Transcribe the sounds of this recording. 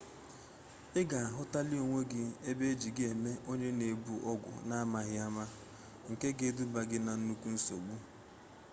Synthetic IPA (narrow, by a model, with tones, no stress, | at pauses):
ɪ˦ɡa˨a˨ɦʊ˦ta˦lɪ˦o˨ŋʷe˦ɡɪ˦e˦be˦d͡ʒi˨ɡɪ˦e˨me˦ʔo˦ɲe˦ne˨bu˨ʔɔ˦ɡʷʊ̰˨na˦a˦ma˨ɣɪ˦a˦ma˦ | ŋ̩˨ke˦ɡe˦du˦ba˨ɡɪ˦na˨n̩˦nu˦kʷu˦n̩˦so̰˨ɡ͡bu˦